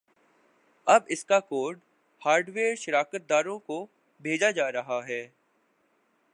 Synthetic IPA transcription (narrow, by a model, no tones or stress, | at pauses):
ɐbɪskakoːɾɖ | haːɾɖʋeːɾʃɐɾaːkət̪̚d̪aːɾõko | bʱeːd͡ʒad͡ʒaːɾɐɦaɦɛː